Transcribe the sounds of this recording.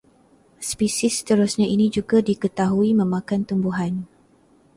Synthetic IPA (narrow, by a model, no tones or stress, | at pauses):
spisist̪əɾusɲãʔinĩd͡ʒuɡadikət̪aɦuimə̃mãkant̪umbuɦan